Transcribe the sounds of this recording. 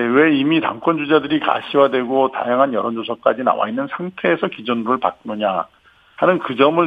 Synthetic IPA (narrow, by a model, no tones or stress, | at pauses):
ewe̞imita̰ŋk͈ʰʌnd͡ʑud͡ʑadɯɾika̰ɕʰiwadwe̞ɡota̰jaŋɦanjʌɾʌnd͡ʑosʰʌk͈ad͡ʑina̰wa̰inːɯnsʰaŋtʰe̞ːsʰʌkid͡ʑonɯɾɯɭpa̰k̚nɯɲa | hanɯnkɯd͡ʑʌmɯɭ